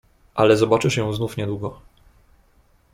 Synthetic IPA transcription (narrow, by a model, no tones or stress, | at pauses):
ʔalɛzɔbat͡ʂɘʂjɔ̃w̃znufɲɛd̪wuɡɔ